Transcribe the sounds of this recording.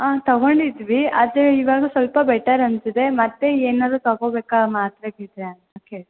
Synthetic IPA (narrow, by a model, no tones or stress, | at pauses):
aːt̪ɐɡo̞ɳɖid̪ʋiɐd̪eiʋaːɡɐsʋɐlpɐbɛʈːɐɾɐnsid̪e̞mɐt̪ːe̞eːnaːd̪ɾut̪ɐɡoːbeːkamaːt̪ɾɐɡid̪ɾeɐnoːke